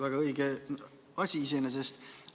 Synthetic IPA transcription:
væɡ̥ɑɤiɡ̥e | ɑsʲiis̬enes̬est̪

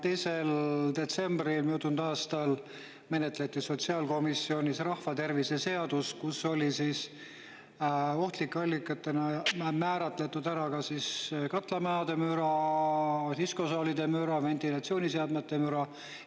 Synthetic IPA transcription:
t̪e̞jse̞ld̪̥e̞t̪se̞mbrilmijut̪ːˑund̪ɑːst̪ɑl | me̞net̪ːle̞t̪ːˑiso̞t̪siɑːlko̞misːio̞nʲisrɑhfɑt̪e̞rvise̞se̞ɑd̪uskusːo̞lisiːs | o̞ht̪likːeɑlʲːikːˑɑt̪ːˑe̞nɑmæːɾɑt̪ˑle̞t̪ːˑud̪̥æɾɑkɑsiskɑt̪ˑlɑmæɑd̪e̞myɾɑ | t̪isko̞sɑːlid̪̥e̞myɾɑvent̪ilɑt̪sioːnʲiseɑd̪met̪ːe̞myɾɑ

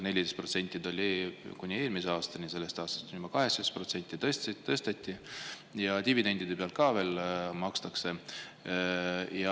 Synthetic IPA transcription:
ne̞lʲid̪est̪pro̞t̪se̞nʲt̪ʲːˑid̪olʲikunʲːie̞ːlmiseɑːst̪ɑnʲise̞lːe̞st̪ɑːst̪ɑ̥st̪unʲimɑkɑɦeksɑd̪espro̞t̪se̞nʲt̪ʲːˑit̪ːɤst̪e̞t̪ʲːˑi | jɑt̪ivid̪e̞nʲd̪id̪̥e̞peɑlt̪̚kɑːve̞ːlmɑkst̪ɑkse̞ | jɑ

